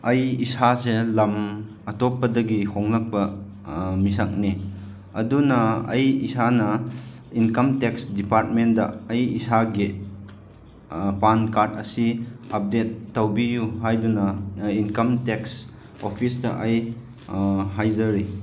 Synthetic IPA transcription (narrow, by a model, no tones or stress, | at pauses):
ɐjisaselɐm | ɐtopːɐdɐɡihoŋlɐk̚pɐ | misak̚ni | ɐdunɐɐ̰jisanɐ | inkɐmteksdipaɾt̚mendɐ̰ɐjisaɡi | pankaɾtɐsiɐp̚detːɐwbijuɦajdunɐinkɐmteks | opʰisdɐ̰ʔɐj | ɦajzɐɾi